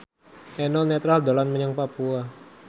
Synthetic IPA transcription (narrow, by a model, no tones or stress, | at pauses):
ʔɛnɔnet̪ɾald̪olanməɲaŋpapua